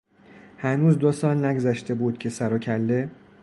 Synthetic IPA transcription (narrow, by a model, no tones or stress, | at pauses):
hænuːzd̪osɒːlnæɡzæʃt̪e̞buːd̪̥̚cʲʰe̞sæɾocʰælːe̞